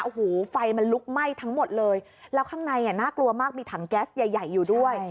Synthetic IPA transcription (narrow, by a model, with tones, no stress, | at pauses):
ʔo˨˩hoː˩˦fa˧jma˧nlu˦˥k̚ma˥˩jt̪ʰa˦˥ŋmo˨˩t̪̚lɤː˧jlɛː˦˥wkʰaː˥˩ŋna˧jni˨˩naː˥˩klu˧əmaː˥˩k̚miː˧t̪ʰaː˩˦ŋkɛː˦˥st̪̚ja˨˩jːa˨˩jːuː˨˩du˥˩əj